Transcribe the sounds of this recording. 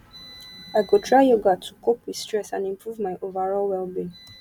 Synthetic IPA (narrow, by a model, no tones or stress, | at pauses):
aɪɡotʰɹaɪjoɡatʰukʰopwið̥stɹɛsã̰nĩmpʰɹuvmaɪʔovəɹɔlwɛlbi